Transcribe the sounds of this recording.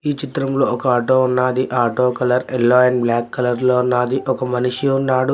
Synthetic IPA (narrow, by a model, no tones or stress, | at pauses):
iːt͡ʃit̪ɾɐmlo̞ːɔkɐaːʈoːunːaːd̪iʔaːʈoːkɐlɐɾelːaːjɐnblaːkːɐlɐɾloːunːaːd̪iʔɔkɐmɐniʂiunːaːɽu